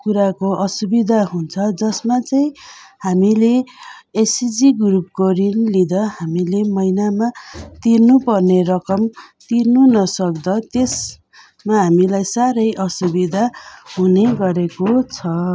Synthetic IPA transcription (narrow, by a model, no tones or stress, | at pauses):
kuɾakoʔʌsubid̪ʱaɦunt͡sʰʌd͡zʌsmat͡saĩhamileesid͡ziɡrup̚koɾinlid̪ʌɦamilemʌjnamat̪irnupʌrnerʌkʌmt̪irnunʌsʌkd̪ʌt̪es | maɦamilajsaɾʌjʔʌsubid̪ʱaɦuneɡʌɾekot͡sʰʌ